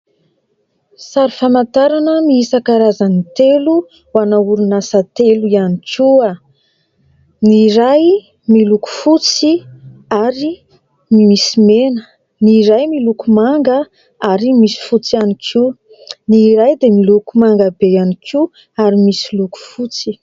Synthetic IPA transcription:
saɾufamant̪aɾanəmiisakaɾazanit̪elu | wanauɾunasat̪eluianikʲʰua | niɾaj | miluku̥fut͡siaɾi | mimisimenə | niɾajmilukumaŋɡə | aɾimisi̥fut͡sianikʰu | niɾajd̪emilukumaŋɡabejanikʰu | aɾimisiluku̥fut͡si

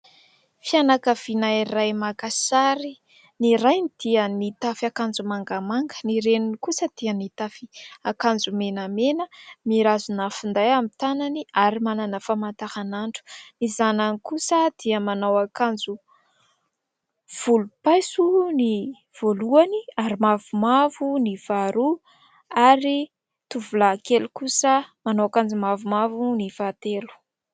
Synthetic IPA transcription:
fianakav̥inairajmakasaɾi | niɾajnid̪̥iənit̪afakand͡zumaŋɡamaŋɡə̥niɾeninikusəd̪̥iənit̪afiakand͡zumenamenəmiɾazunafund̪ajamit̪ananiaɾimananəfamant̪ahanaɳɖ͡ʐu̥nizananikusəd̪̥iəmanawakand͡zu | v̥ulupajsuni | v̥oluaniaɾimavumavuniv̥aɾu | aɾi | t̪uvulakelukusəmanawakand͡zumavumavunivat̪elu̥

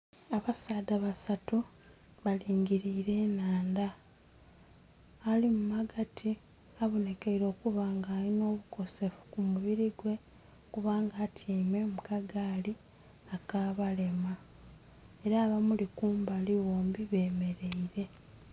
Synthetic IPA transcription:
aβasaːdaβasatu | βaliːŋɡiɾiːɾe̞ːnaːnda | limumaɡatʰi | aβone̞keiɾo̞ːkuβaːŋɡaːino̞ːβuko̞se̞fu̥kumuβiɾiɡwe̞ | kuβaːŋɡaːtʰiːme̞mukaɡaːli | akaːβale̞ma | e̞ɾaːβamulikuːmbaliβoːmbiβe̞ːme̞ɾe̞iɾe̞

